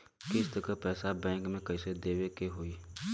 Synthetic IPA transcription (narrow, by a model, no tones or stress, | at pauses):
kɪst̪əkəpɛːsabɛ̃ːŋkmẽkɐɪsed̪eːwekeɦoːiː